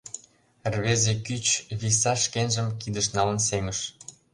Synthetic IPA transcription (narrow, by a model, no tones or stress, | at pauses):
rβezekyt͡ɕβis̬ɑʃkenʒəmkid̪əʃnɑlə̆nseməʃ